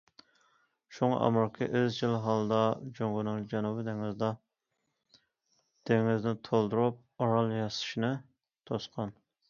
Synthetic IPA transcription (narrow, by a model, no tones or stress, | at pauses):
ʃuŋɑ̰ʔɑ̰mɾkʲʰɨʔezd͡ʒilˠɦɑlˠd̪ɑd͡ʒoŋɡunɨŋd͡ʒɛnubɪd̪eŋɪzd̪ɑ | d̪̥eŋɪznɪt̪ʰolˠd̪uɾup̚ɑɾɑlˠjɑsɨ̥ʃinɨ | t̪ʰosqʰɑn